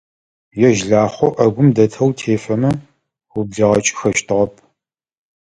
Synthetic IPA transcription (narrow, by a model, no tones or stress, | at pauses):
jɛʒɮaːχʷɔʔɐɡʷʊmdɐtʰɐwtʰeːfɐmɐ | wʊbɮɐʁɐt͡ʃʼɪ̥xɐʃtʰɨʁɐp̚ʰ